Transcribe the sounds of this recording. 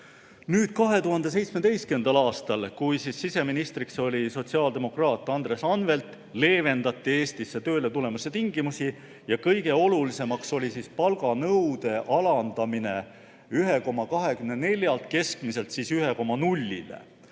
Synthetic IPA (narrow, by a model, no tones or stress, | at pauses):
nyːd̪̥̚kɑɦe̞t̪uɦɑnd̪̥ese̞jt̪sme̞d̪̥e̞jske̞nd̪̥ɑlɑːst̪ɑlkujsisːise̞minist̪ɾikso̞lʲiso̞t̪ʲsiɑːld̪e̞mo̞krɑːt̪ːˑɑnd̪re̞sɑnve̞lt̪ˑ | le̞ːve̞nd̪̥ɑt̪ːˑie̞ːst̪isːe̞t̪ø̞ːlet̪ule̞mɑsːet̪iŋɡ̥imusi | jɑkɤjɡ̥e̞o̞lulise̞mɑkso̞lʲisispɑlɡ̥ɑnɤwd̪e̞ʔɑlɑnd̪̥ɑmine̞ | yɦe̞ko̞mɑkɑɦe̞kymnene̞lʲjɑlt̪̚ke̞skmise̞lt̪sisyɦe̞ko̞mɑnulʲːḭlḛ